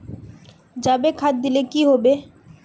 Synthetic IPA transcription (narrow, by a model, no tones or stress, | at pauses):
d͡ʒabekʰat̪̚d̪ɪlekiɦoːbeː